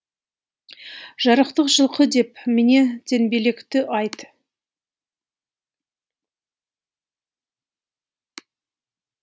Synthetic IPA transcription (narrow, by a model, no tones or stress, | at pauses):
ʒɑɾəqt̪əqʒəlˠqəd̪e̞pmene̞d̪̥ʰe̞nbelekt̪ɪʔɑjt̪